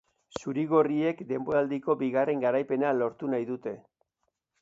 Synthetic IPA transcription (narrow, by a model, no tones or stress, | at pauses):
suɾiɣo̞rie̞kd̪e̞mboɾald̪iko̞biɣare̞ŋɡaɾajpe̞nalo̞ɾt̪unajðut̪e̞